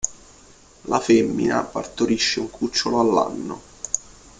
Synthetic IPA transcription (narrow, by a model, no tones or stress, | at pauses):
lafemːḭnapa̰rt̪oɾiʃːeuŋkʰut͡ʃːoloalːa̰nːo